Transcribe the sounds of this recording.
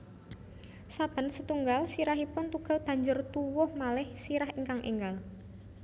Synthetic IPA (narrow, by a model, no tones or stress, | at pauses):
sab̥ə̤nsət̪uŋɡalsiɾaɦipʊnt̪uɡ̥a̤lb̥a̤ɲd͡ʒʊrt̪uwʊhmalɪhsiɾahəŋkaŋʔḭŋɡal